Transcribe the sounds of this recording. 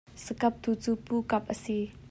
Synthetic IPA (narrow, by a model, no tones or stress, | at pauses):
səkɐp̚t̪ʰut͡supukɐp̚ʔəsi